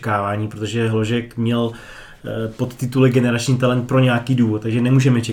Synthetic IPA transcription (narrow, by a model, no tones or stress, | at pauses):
kaːvaːɲiːpɾot̪o̞ʒɛɦlo̞ʒɛkmɲɛl | po̞t̪ːɪt̪ulɛɡɛnɛɾat͡ʃɲiːt̪alɛnt̪̚pɾo̞ɲɛakiːduːvot̪̚t̪aɡʒɛnɛmuːʒɛmɛt͡ʃɛ